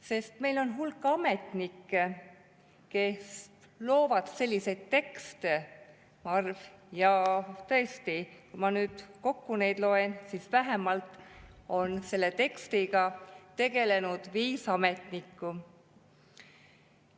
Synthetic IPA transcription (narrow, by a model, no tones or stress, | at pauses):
se̞st̪me̞jlo̞nɦulkːˑɑmet̪ˑnikːe | ke̞s | lo̞ːvɑd̪̥se̞lʲːise̞jd̪̥̚t̪e̞kst̪e | ɑrvjɑt̪ɤ̞e̞st̪ikujmɑnyːd̪̥ko̞kːune̞jd̪lo̞e̞nsisvæɦemɑlt̪ˑo̞nse̞lːe̞t̪e̞kst̪iɡ̥ɑt̪e̞ɡ̥e̞le̞nud̪̥viːsɑme̞t̪ˑnikːu